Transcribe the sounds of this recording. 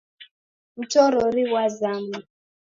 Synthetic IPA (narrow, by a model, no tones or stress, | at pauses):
ut͡ʃɔɾɔɾiwazama